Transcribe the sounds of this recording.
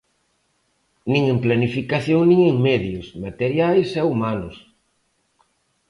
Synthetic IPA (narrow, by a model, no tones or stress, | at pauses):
nĩŋẽmplanifikaθjoŋnĩŋeŋmeðjosmat̪eɾjajsɛumanʊs